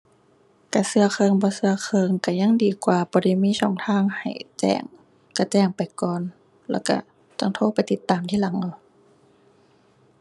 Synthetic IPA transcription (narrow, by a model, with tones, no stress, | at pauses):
ka˧˩sɯ˧ɐxʰɤː˧ŋbɔː˧˦sɯ˧ɐkʰɤː˧ŋka˧˩ɲa˧˥˨ŋdiː˨˩kwaː˨˧b̥ɔː˧˦da˧˩˨jmiː˧˥˨sɔː˧˩ŋt̪ʰaː˧˥˨ŋha̰˨˩jt͡ɕɛ̰ː˧˩ŋ | ka˧˩t͡ɕɛː˧˩ŋpa˨jkɔː˨n | lɛː˧˩wka̰˧˩ | t͡ɕa˧˨ŋt̪ʰoː˧˥˨pa˨jt̪i˧˦t̪ːaː˨mt̪ʰiː˧˥la˨˦ŋʔa˧˩˨